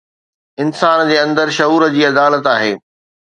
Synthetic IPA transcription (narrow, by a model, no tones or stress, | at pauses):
ɪnsaːnd͡ʑeːɐ̃nd̪əɾʃɐuːɾəd͡ʑiːɐd̪aːlət̪aːɦeː